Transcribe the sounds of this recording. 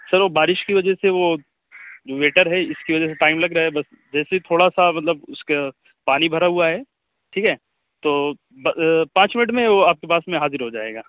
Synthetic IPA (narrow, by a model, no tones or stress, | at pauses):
sɐɾʋoːbaːɾɪʃkiʋɐd͡ʒəseʋo | d͡ʒoːʋeːʈəɾɦɛɪskiʋɐd͡ʒɛs̬eʈaːɪmlɐɡɾaːɦɛbɐs | d͡ʒɛːseit̪ʰoːɽasamɐt̪ləbʊska | paːnibʱɐɾaɦuaɦɛː | ʈʰiːkɦɛː | t̪oː | bɐpãːt͡ʃmɪnɪʈmẽʋoaːp̚kepaːsmẽɦaːzɪɾɦod͡ʒaːeːɡaː